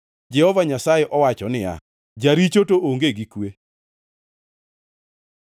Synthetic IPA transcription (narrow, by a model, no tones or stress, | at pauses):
d͡ʒɛhɔvaɲasajeʔɔwat͡ʃɔnɪa̰ | d͡ʒaɾit͡ʃotoʔoŋɡeɡikwe